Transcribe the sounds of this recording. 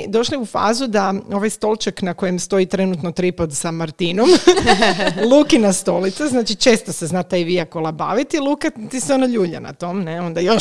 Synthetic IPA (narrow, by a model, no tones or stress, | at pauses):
d̪o̞ʃliufa̰ːzud̪ao̞ʋajst̪o̞lˠt͡ʃaknako̞jemst̪o̞it̪ɾe̞nut̪no̞t̪ɾipot̪samaɾt̪ino̞m | lˠuːkinast̪o̞lit̪saznaːt͡ʃit͡ʃe̞ːst̪oseznat̪ajʋiakolˠaba̰ʋit̪ilˠuːkat̪iseonaʎuːʎa̰na̰t̪o̞mneo̞nd̪ajo